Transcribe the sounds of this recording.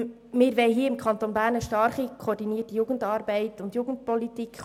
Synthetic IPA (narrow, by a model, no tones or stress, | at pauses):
mɪːɾʋɛɪɦiːəɪmkʰɑntonbæːɾnəʃtɑɾχikʰoːɾdiniətijuːɡəndɑːɾbɛɪtʊndjuːɡ̥ən̩d̚pɔlitikχ